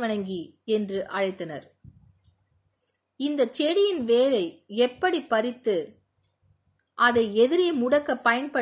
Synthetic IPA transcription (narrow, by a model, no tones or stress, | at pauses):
ʋɐɳɐŋɡi | ɛndrɯʔɐɻɐɪt̪ːɐnɐ̰ɾ | ɪnd̪ɐt͡ʃɛɽɪjɪnʋeːɾɐɪɛpːɐɽipːɐɾɪt̪ːɯ | ʔɐðɐɪɛðɪɾeːmʊɽɐkːɐpːɐjɐnpɐ